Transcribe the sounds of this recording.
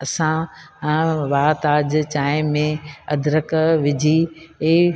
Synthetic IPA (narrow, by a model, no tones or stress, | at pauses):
ɐsã | ʋaːt̪aːd͡ʑt͡ɕaːɪ̃mẽɐd̪ʱɾəkʋɪd͡ʑʱieː